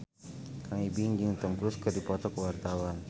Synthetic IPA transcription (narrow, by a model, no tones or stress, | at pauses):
kʰaŋibiŋɡiŋt̪əmkɾuskərdipɔt̪ɔkəwart̪awan